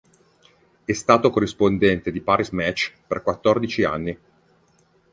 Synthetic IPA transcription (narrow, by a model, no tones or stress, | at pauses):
ɛst̪aːt̪okorːispond̪ɛnt̪ed̪ipaɾismɛt͡ʃːperkwat̪ːord̪it͡ʃia̰nːi